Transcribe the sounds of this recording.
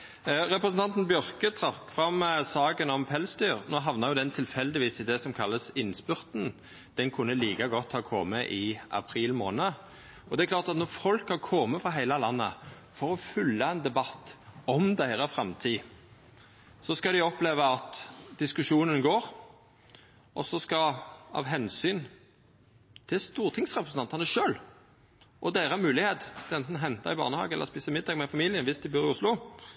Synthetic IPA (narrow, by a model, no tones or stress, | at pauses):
ɾɛpɾəsnt̪ɑnt̪n̩bjœɾkət̪ʰɾɑkfɾɑmːsɑːɡənɔmpʰɛlsd̪yːɾnoːɦɑʋnəɾʁjʊd̪ɛnt̪ʰɪlfɛld̪ɪʋiːsɪd̪ɛsɔmkʰɑlːəsɪnspʉɾt̪n̩ | d̪̥ɛnkʰʊnːəliːkɑɡɔt̪ːhɑːkʰɔməʔɪʔɑ̰pʰɾiːlmoːnə | ɔd̪ɛklɑːʁt̪ɑt̪nɔʁfɔlkhɑʁkʰɔməfɾʁɑɦæɪlɑlɑnːə | fɔɾɔfʉlːɑɛnd̪ɛbɑt̪ːɔmd̪æɪɾəfɾɑmt̪ʰiː | sɔskɑd̪ɪɔpleːʋəɑt̪d̪ɪskʉʂuːnənɡoːɾ | ʔɔsɔskɑɑ̰ʋɦɛnsyːn | t̪ʰɪlst̪uːʁt̪ʰɪŋsʁɛpɾʁəsn̩ɑnt̪ɑnəʂøːl | ʔɔd̪æɪɾəæmʉːlɪheːt̪t̪ʰɛnt̪nɦɛnt̪ɑ̰ɪbɑ̰ʁnəhɑ̰ːɡəɛlə̰ʁɔspiːsəmɪd̪ːɑːɡmɛfɑmiːlɪjənʋɪst̪ɪbyːʁɪʊslʊ